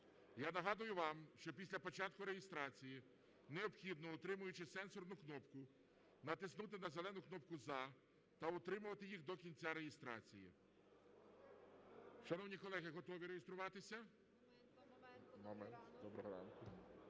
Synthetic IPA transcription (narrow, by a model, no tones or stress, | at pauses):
janɐɦɑd̪ʊjʊʋɑmʃt͡ʃɔpʲisʲlʲɐpɔt͡ʃɑt̪̚kʊɾejɪst̪ɾɑt͡sʲiji | neɔpxʲid̪̚nɔʊt̪ɾɪmʊjʊt͡ʃɪsɛnsɔrnʊknɔpkʊ | nɐt̪ɪsnut̪ɪnɐzelˠɛnʊknɔp̚kʊzɐ | t̪ɐʊt̪ɾɪmʊʋɐt̪ɪjiɣd̪ɔkʲinʲt͡sʲaɾejɪst̪ɾɑ̰t͡sʲijḭ | ʃɐnɔwnʲikɔlˠɛɦɪɦɔt̪ɔʋʲiɾejest̪ɾʊʋɑt̪ɪsʲɐ | mɔmɛnt̪d̪ɔbɾɔɦɔɾɑ̰nkʊ